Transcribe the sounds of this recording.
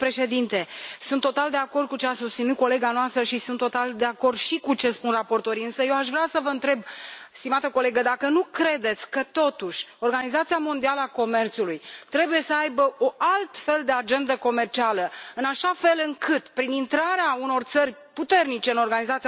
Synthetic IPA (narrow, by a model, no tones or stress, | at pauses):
pɾe̞ʃe̞d̪int̪e̞sunt̪ːo̞t̪ald̪e̞ako̞rd̪̚kut͡ʃeasust̪sinut̪̚ko̞le̞ɡanoast̪ɾəʃisunt̪ːo̞t̪ald̪e̞ako̞rd̪ʃikut͡ʃe̞spunrapo̞rt̪o̞ɾiɨnsəjewaʃvɾasəvəɨnt̪ɾe̞b̚st̪imat̪əko̞le̞ɡəd̪akənukɾe̞d̪e̞t̪sʲkət̪o̞t̪uʃʲo̞rɡanizat̪sijamo̞nd̪ialəako̞me̞rt̪sulujt̪ɾe̞buje̞səajbəo̞ʔalt̪fe̞ld̪e̞ad͡ʒe̞nd̪əko̞me̞rt͡ʃialəɨnaʃafelɨŋkʰɨt̪pɾinint̪ɾaɾeauno̞rt̪sərʲ | put̪e̞rnit͡ʃe̞ɨno̞rɡanizat̪si